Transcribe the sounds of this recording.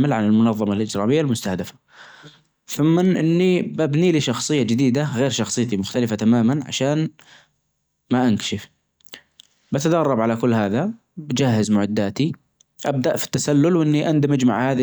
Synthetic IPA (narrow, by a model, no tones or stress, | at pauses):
mɪlʕanɪlmʊnɑðˤːɑmalʔɪd͡ʒɾɑːmɪjːalmʊst̪ahd̪afḁ | θʊmːɪnʔɪnːibabniːliːʃɑxsˤɨjːad͡ʒɪd̪iːd̪aɣeːɾʃɑxsˤɨːt̪imʊxt̪alɪfat̪amaːmanʕa̰ʃaːn | maʔankḁʃɪf | bat̪ad̪ɑrˤːɑbʕalakʊlːhaːða | bad͡ʒaɦːɪzmʊʕad̪ːaːt̪i | ʔab̚d̪aʔfi̥t̪ːasalːʊlwʔɪnːiʔand̪mad͡ʒma̰ʕhaːði